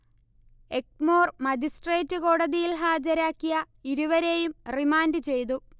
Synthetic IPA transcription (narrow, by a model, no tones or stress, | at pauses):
ek̚mo̞ːrmɐd͡ʑisʈre̞ːtːɨko̞ːɽɐðijilɦaːd͡ʑɐɾaːkːijɐ | iɾuʋɐɾe̞jumrimaːndɨt͡ɕe̞jt̪̬u